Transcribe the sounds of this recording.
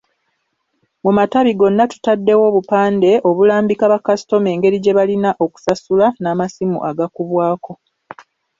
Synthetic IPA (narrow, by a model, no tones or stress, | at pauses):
mumataβiɡo̞nːatu̥tadːe̞wo̞βupaːnde̞ʔo̞βulaːmbikaβakasi̥to̞me̞ːŋɡe̞ɾiɟe̞βalinaʔo̞ku̥sasulanaːmasimṵʔaɡakuβwaːko̞